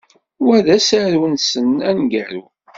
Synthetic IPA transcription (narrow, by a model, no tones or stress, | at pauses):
wæðæsæɾunsənænɡæɾu